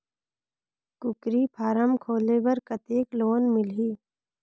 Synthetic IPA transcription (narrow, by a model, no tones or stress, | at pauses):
kʊkɾipʰaːɾəmkʰoːlebəɾkət̪eːkloːnmɪlɦiː